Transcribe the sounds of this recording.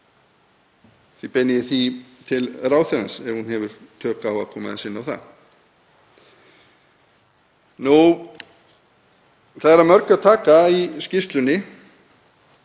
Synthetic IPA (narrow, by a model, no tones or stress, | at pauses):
θipɛnːɪðɪθit̪ʰɪlraːwθɛɾansɛɾhunhɛvʏɾ̥t̪ʰœːkaːwakʰɔːma̰ðɪsɪnːawθa̰ð | nu | θaðɛɾamœɾkʏat̪ʰaːkaiscɪst̪lʏnːɪ